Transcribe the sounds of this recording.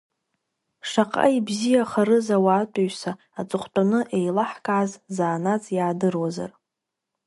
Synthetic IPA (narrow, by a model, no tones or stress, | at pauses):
ʂaqʼa̰ibzijaχaɾɨzawaːtʷʼaɥsa | at͡sʼɨχʷtʼanɨʔejlaħkʼaʕazzaːnat͡sʼjaːdɨrwaza̰r